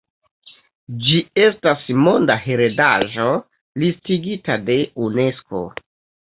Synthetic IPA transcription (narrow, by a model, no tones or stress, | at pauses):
d͡ʒie̞stasmondahe̞ɾedaʒo̞ | listiɡitade̞une̞sko̞̰